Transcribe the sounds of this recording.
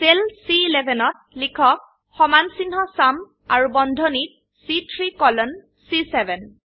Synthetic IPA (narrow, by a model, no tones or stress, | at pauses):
selsiːlɛbʱɛnɔt̚ | likʰɔk̚ | xɔmansinɦɔsam | aɹubɔndʱɔnit̚ | sitʰɹikɔlɔn | sisɛbɛn